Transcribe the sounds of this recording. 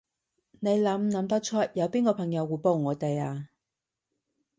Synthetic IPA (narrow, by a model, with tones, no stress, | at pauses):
ne˨˧jlɐ˨˧˥mnɐ˨˧˥mt̪ɐ˥k̚t͡ʃʰɔ˥t̚jɐ˨˧wpiː˥nkɔː˧pʰɐ˨˩ŋjɐ˨˧wːuː˨˧jpo˧wŋɔː˨˧t̪e˨jaː˧